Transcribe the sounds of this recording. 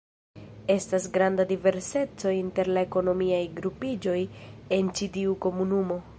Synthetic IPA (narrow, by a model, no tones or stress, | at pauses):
e̞stasɡɾandadive̞ɾse̞t͡so̞inte̞ɾlae̞ko̞no̞miajɡɾupid͡ʒo̞je̞nt͡ʃitiuko̞munumo̞